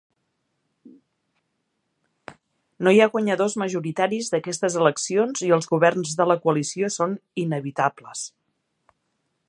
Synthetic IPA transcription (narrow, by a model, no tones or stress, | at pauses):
nojaɣwəɲəðozməʒuɾit̪aɾizðəkɛst̪əzələksionziəlˠzɣuβɛrnzðələkuəlisiosoninəβit̪abləs